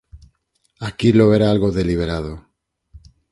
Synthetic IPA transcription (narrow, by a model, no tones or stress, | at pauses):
akilo̞βeɾaalɣoðe̞liβ̞e̞ɾað̞o